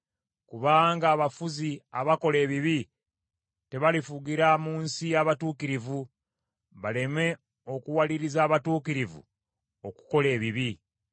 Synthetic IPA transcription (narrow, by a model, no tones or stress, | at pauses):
kuβaːŋɡaːβafuziaβako̞le̞ːβiβi | te̞βalifuɡiɾamuːnsijaβatuːkiɾivu | βale̞me̞ | o̞kuwaliɾizaːβatuːkiɾivṵ | oku̥ko̞le̞ːβiβi